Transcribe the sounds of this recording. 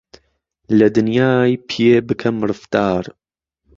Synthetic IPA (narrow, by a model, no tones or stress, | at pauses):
lɨd̪ɨnjaːjpʰijeːbɨkʰɐmɾɨft̪ɑːɾ